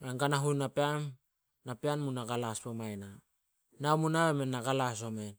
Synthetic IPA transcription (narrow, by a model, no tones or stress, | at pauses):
aŋɡanaɦunapeam | napeanmunaɡalaspomajna | namunaβemenːaɡalas̬o̞men